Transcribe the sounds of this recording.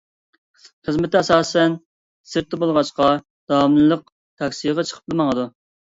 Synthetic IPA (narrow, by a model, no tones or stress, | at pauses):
χəzmɪt̪ɛsɑːsɛn | sɨɾt̪ːɪbolˠʁɑʃqɑ | d̪ɑmlɨlˠəq̚ | t̪ʰɑkʲsijʁɑt͡ʃʰə̥qʰə̥p̚lmɑŋəd̪u